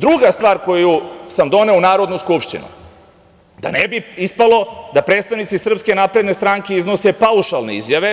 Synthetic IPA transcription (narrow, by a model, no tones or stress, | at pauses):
d̪ɾuɡast̪ʋaːɾko̞jusamd̪o̞neunaːɾo̞d̪nuskupʃt̪ḭnṵ | d̪a̰nebiispalo̞d̪apɾe̞ːt̪st̪aʋnit̪sisr̩pske̞naːpɾe̞d̪ne̞st̪ɾaːŋke̞izno̞sepauʃalˠne̞ḭzjaʋe̞